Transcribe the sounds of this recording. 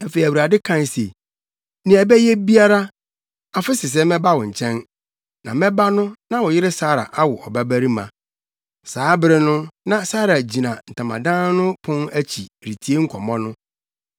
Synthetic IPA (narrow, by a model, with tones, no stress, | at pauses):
æ˨fe˨i˨æ˨wu˨ɾa˨dɪ˦kʰã˦n˨se˨ | nĩ˨˦æ˨bɛ˦jɛ˦bi˦a˦ɾa˦ | a˨fɪ˦sɪ˨s̬ɛ˦mɛ̃˦ba˦wɔ˨ɲ̩˨t͡ɕʰɛ̃˦n | nã˨mɛ̃˦ba˦nʊ̃˦nã˦wɔ˨jɪ˦ɾɪ˦saː˦ɾa̰˨ʔa˦wʊ˨ʔɔ˨bæ˦bæ˦ɾi˦mã̰˨ | saː˨˦bɪ˦ɾɪ˦nʊ̃˦nã˦saː˦ɾa˨d͡ʑi˨nã˨n̩˨tʰã˨mã̰˨dã˦n˦nʊ̃˦pʰʊ̃˦næ˦t͡ɕʰi˨ɾi˨tʰi˨˦e˦ŋ̩˦kʰɔ˨mɔ̃˦nʊ̃˦